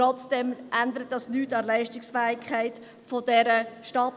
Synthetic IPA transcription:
ɔt͡sd̥ɛmʔænd̪əɾət̚dɑsnyːtɑlæɪʃtɪksfæːɪkʰχæɪt | fodɛɾəʃtɑt

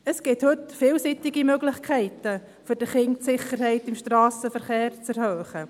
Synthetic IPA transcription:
əsɡ̥ɪthɵtfɪːlsitɪɡimøɡlɪχkʰɛɪtə | fʏɾd̥əχɪŋtsɪχəɾhɛɪtɪmʃtrɑːsəfəɾχeːɾt͡sɛɾhœːχə

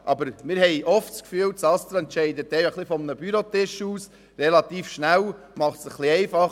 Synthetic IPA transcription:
ʔɑbəɾmɪɾhɛɪʔɔftskfyːwsɑst̪ɾɑɛnt̪ʃɛɪd̪ət̪ɛjjɑχlifɔmnəbyɾotɪʃuːs | rɛlɑt̪iːfʃnæw | mɑχtsəχliɛɪfɑχ

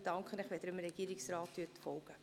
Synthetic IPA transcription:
d̥ɑŋkχənɪχʋɛd̥ɾɪmɾɛɡ̥iːɾɪksrɑːtːyətfɔlɡ̥ə

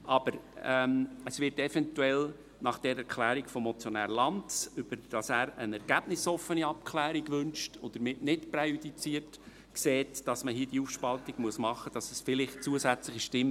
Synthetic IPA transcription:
ʔɑb̥əɾɛməsʋɪɾtɛfɛntuɛl | nɑχd̥ɛɾɛɾkʰlæːɾikfɔmːɔt͡sjɔnæ̰ːɾlɑndsʏb̥əɾd̥ɑsæːɾənɛɾɡ̥æb̥nɪsɔfːəniɑp̚kʰlæːɾiɡʋʏnʃtʰʊd̪̥əɾmɪtnɪtprɛjyd̪it͡siːərt | kseːtd̥ɑsməɦiːd̥iufʃpɑltiɡ̥muəsmɑχəd̥ɑsəsfɪlɪχt̚t͡suəsæt͡slɪχiʃtɪm

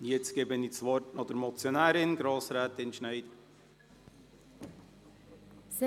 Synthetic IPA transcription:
jɛt͡sɡ̥eːbənisʋɔɾtnɑd̥̪əɾmɔt͡sjonæːɾɪnɡɾɑːsɾæːt̪ɪnʃnɛɪdə | s

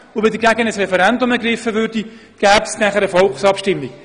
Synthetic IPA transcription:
ʊʋɪdəɡæɡənəsrɛfɛɾɛndʊməɡrɪfəvʏɾd̥i | ɡ̥æːpsnæχəɾəfɔlˠksɑpʃtɪmːik

